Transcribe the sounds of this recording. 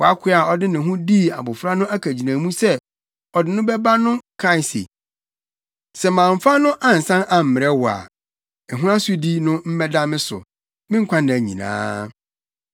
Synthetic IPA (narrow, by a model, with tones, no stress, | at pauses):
wɔ˨a˦kʰɪ˦a˨ɔ˨dɪ˦nɪ̃˨ɦʊ̃˦di˦˨a̰˨bʊ˨fɾa˦nʊ̃˦æ˦kʰæ˨d͡ʑi˨nã˨mũ˦sɛ˦ | ɔ˨dɪ˨nʊ̃˦bɛ˦ba˦nʊ̃˦kʰɾa˦ɪ˨sḛ˨ | sɛ˨mãː˨ɱ̩˨fa˦nʊ̃˦ʔa˦n̩˨sã˦nʔa˨m̩˨mɪ˨ɛ˦wʊ˨a̰˨ | ɛ˨ɦũ˦a˦sʊ˦di˦nʊ̃˦m̩˦mɛ˦da˦mɪ̃˦sʊ̰˨ | mɪ̃˦ŋ̩˦kʷʰã˦ndɪ̃˨æ˨ɲḭ̃˨nã̰ː˦